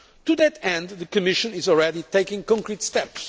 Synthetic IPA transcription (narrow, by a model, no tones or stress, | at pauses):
tuðɨtɛ̃nd̪ðɨkɨmɪʃɨ̃nɪzɔl̩ˠɹɛɾiteɪkɪ̃ŋkɔ̃ŋkɹitstɛps